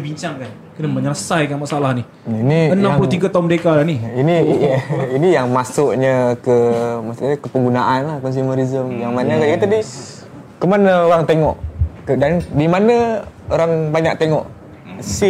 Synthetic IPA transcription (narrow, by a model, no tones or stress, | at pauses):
biɲt͡ʃaŋkan | kənəməɲərsajkanmasaalahni | iniənamlut̪iɡat̪aumdekalaniini | inijaŋmasʊʔɲəkəmasʊʔəkəpəŋɡunaʔanlahkɔns̬imaɾizəmjaŋmanakaat̪adi | kəmanəoɾaŋt̪eŋɔʔkədandimanəoɾaŋbaɲak̚t̪eŋɔʔ | si